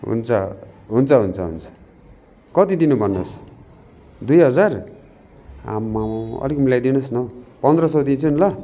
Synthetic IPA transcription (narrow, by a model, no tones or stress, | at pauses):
ɦṵnt͡sʰʌ̰ɦunt͡sʰʌɦunt͡sʰʌɦṵnt͡sʰʌ̥ | kʌt̪id̪inubʱʌnːos | d̪ujɦʌd͡zar | a̰mːamʌ̰likmilajd̪inʌsnʌpʌnd̪rʌsʌd̪int͡sʰunlʌ